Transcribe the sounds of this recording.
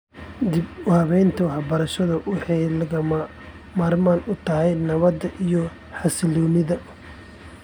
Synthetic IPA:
d̪ɪbʊhɐβɛjnt̪ʰʊhɐbɐɾɐʃɐðɐwɪħɑjlɐɣɐ | maːrmaːnʊt̪ʰɐɦɛjnɐβɐd̪ɐʔijɔ | ħɑsɪlɔːnɪðɐ

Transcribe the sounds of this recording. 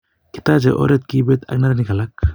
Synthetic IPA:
kʰi̥t̪ad͡ʒeʔɔ̰ɾet̪̚kibet̪a̰k̚naɾaniɡalak̚

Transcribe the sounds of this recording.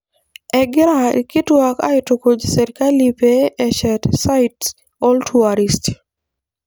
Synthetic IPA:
ɛɡɪɾa̰kɪtwaka̰ɪtokod͡ʒsɛɾkalipeːʃɛtsaɪt | ɔltʰuaɾist

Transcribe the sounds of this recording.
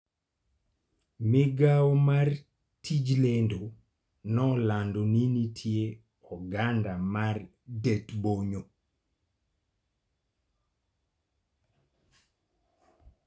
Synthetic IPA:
mɪɡawɔmar | tʰid͡ʒlendo | nɔlandoninitʰje | ɔɡandamar | detboɲo

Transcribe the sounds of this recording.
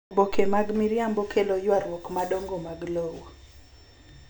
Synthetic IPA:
bokʰemaɡmiɾjambokʰelojwaɾwɔkmaɗoŋɡomaɡlowo

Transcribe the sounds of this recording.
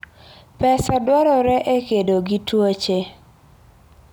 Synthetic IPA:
pɛsadwɔɾɔɾɛʔekedoɡitwot͡ʃe

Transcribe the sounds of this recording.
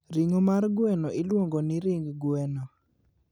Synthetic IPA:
ɾiŋomarɡwɛnɔʔɪlwoŋɡonɪɾɪŋɡwɛnɔ

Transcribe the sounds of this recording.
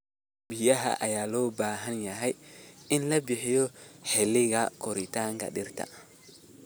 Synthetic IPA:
bɪjɐɦɐ̰ʔɐjaːlɔːbaːɦɐnjɐɦɛjɪnlɐbɪħɪjɔħɛlɪɣɐkʰɔɾɪt̪ʰaːŋkʰɐ̰ɗɪrt̪ʰɐ̰

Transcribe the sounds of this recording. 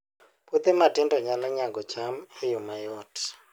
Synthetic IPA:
put̪ɛmatindɔɲalaɲaŋɡɔt͡ʃʰamejumajɔtʰi̥

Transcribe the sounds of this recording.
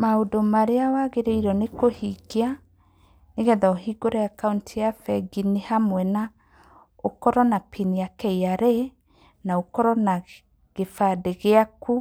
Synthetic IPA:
maodomaɾeawaɣeɾeiɾɔnekohiɡea | neɣɛðaoɦiɡoɾɛakauntijafɛɡinehamwɛna | okɔɾɔnapʰiniakɛiaɾe | naokɔɾɔna | ɣefadeɣeaku

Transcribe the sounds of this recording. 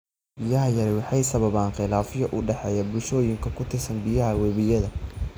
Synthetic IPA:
b̥ɪjɐɦɐjɐɾɛwɑħɑjsɐβɐβaːnqɪlaːfɪjɔʔʊɖɛħɛːjaːbʊlʃɔːjɪŋkʰɐkʰʊt̪ʰɪrsɐnbɪjɐɦɐwɛβɪjɐðɐ

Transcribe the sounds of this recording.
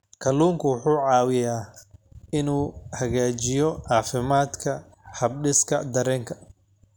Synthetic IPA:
kʰɐlːuːŋkʰʊwʊħuːʕɑːwɪjaː | ɪnuːhɐɣaːt͡ʃɪjɔʕɑːfɪmaːd̪kʰɐ | hɐbɖɪskʰɐ̰d̪ɐɾɛːŋkʰɐ̥

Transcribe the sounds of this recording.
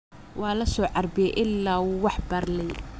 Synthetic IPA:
wɑːlɐsɔːʕɑrbɪjɛʔɪlːaːwuːwɑħbɐrlɛj

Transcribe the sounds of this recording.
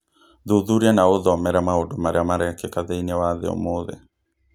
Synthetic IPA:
ðuðuɾianaoðɔmɛɾamaodomaɾeamaɾɛkɛkaðeinewaðḛo̰moðɛ̰

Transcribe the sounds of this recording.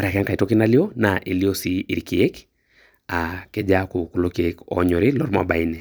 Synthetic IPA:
maɾakaŋkaitokinalionaʔiliosiiɾikiek | akɛd͡ʒakukulokiekɔ̰ɲɔɾilɔɾma̰bainɛ

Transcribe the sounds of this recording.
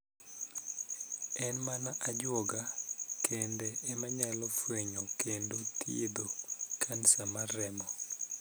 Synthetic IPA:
ɛnmanaʔad͡ʒwɔɡakʰendɛːmaɲalɔfweɲɔkendot̪ied̪okʰansamaɾɛmɔ

